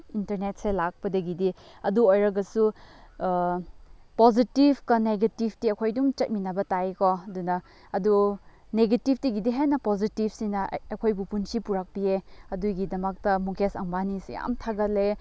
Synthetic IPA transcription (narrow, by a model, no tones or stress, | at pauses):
intɐɾnet̚selak̚pɐdɐɡidi | ɐduojɾɐɡɐsu | pozitibkɐneɡetibʰtiɐkʰojduŋt͡ʃɐt̚minɐbɐtajkɔɐdunɐː | du | neɡetip̚ʰtiɡidiɦenɐpozitib̚sinɐ̰ɐkʰojbupunsipuɾak̚bieɐduɡidɐmɐk̚tɐmuŋkʰesɐŋbanisija̰mtʰaɡɐle